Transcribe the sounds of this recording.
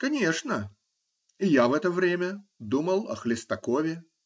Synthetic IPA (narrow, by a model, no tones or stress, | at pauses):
kɐnʲe̞ʂnə | ɪjavɛt̪əvɾʲemʲəd̪uməlˠɐ̰xlʲɪst̪ɐkovʲɪ